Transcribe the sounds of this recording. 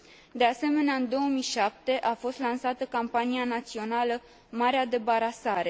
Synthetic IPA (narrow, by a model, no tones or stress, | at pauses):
d̪e̞ase̞me̞neaɨnd̪o̞womijʃap̚t̪e̞ʔafo̞st̪lansat̪əkampanianat̪sio̞nalə | maɾead̪e̞baɾasaɾe̞